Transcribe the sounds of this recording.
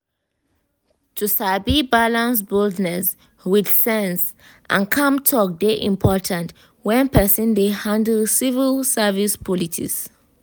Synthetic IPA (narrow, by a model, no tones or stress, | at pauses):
tʰusabibalãns̬boldnɛs | widsɛ̃ns | ʔã̰nkʰãmtʰɔk̚deʔĩmpʰɔtʰãnt | wɛ̃npɛsɔ̃ndehãndlsivilsɛvispʰɔlitʰḭs